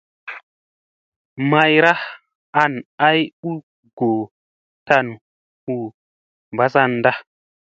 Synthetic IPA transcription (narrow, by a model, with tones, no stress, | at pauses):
ma˦jɾa˦h | a˨na˦ju˦ | ɡo˨ | ta˦n˨ | u˦˨ | mba˦sa˦nda˦